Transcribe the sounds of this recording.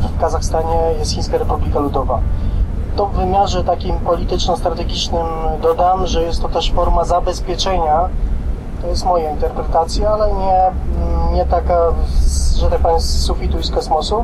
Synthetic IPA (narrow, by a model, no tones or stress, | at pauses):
fkazaxst̪aɲɛjɛst̪xĩskaɾɛpublʲikalud̪ɔva | t̪ɔvɘmʲjaʐɛt̪akʲimpɔlʲit̪ɘt͡ʂnɔst̪ɾat̪ɛɡʲit͡ʂnɘmd̪ɔd̪amʐɛjɛst̪ːɔt̪ɛʂfɔɾmazabɛspʲjɛt͡ʂɛɲa | t̪ɔjɛst̪mɔjaint̪ɛɾpɾɛt̪at̪sʲjaalɛɲɛ | ɲɛt̪aka | ʐɛt̪ak̚paɲssufʲit̪uiskɔsmɔsu